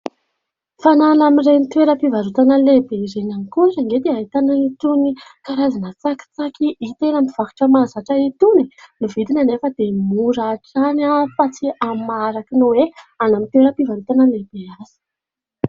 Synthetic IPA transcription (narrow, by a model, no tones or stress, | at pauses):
fanalamirejnit̪weɾəpivaɾut̪anəlebeiɾenanikusaŋɡet̪iait̪anait̪unikaɾazanət͡saki̥t͡sakiʔit̪enamiv̥aku̥ʈ͡ʂəmazaʈ͡ʂəit̪uninivid̪inanefəd̪emuɾaːʈ͡ʂanafat͡siʔamaɾakinuweanamit̪weɾəpivaɾut̪anəleb̥eaz̥i̥